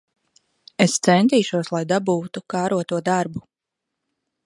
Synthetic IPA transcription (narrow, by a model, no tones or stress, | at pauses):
est̪sɛnt̪iːʃuɔslˠajd̪abuːt̪ukaːɾuɔt̪uɔd̪aɾbu